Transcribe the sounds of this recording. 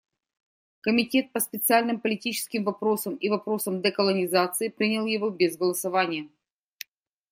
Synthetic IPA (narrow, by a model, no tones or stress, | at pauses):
kəmʲɪtʲe̞t̪̚pəspʲɪt̪sɨalʲnɨmpəlʲɪtʲit͡ɕɪ̥skʲɪmvɐpɾo̞səmivɐpɾo̞səmd̪ɛkəlˠənʲɪzat̪sɨɪpɾʲinʲɪlˠjɪvobʲezɡəlˠəsɐvanʲɪjə